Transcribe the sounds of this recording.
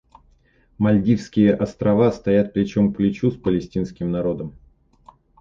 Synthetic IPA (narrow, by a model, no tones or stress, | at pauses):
mɐlʲd̪ʲifskʲɪjəʔɐst̪ɾɐvast̪ɐjat̪̚plʲɪt͡ɕo̞mklʲɪt͡ɕuspəlʲɪsʲtʲinskʲɪmnɐɾo̞d̪əm